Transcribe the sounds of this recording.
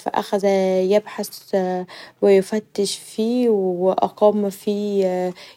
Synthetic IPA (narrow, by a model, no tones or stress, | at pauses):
fæ̰ʔæ̰xæzæjebħas | wejefæt̪ːeʃfiːwweʔɑ̰qɑmːfiː